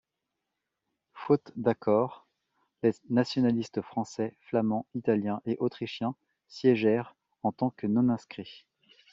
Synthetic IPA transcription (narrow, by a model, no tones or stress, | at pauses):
fot̪d̪akʰɔʁ | lenasjɔnalist̪əfχɑ̃sɛflamɑ̃it̪aljɛ̃ʔeʔot̪χiʃjɛ̃ | sjeʒɛʁ | ɑ̃t̪ɑ̃kənɔ̃nɛ̃skχi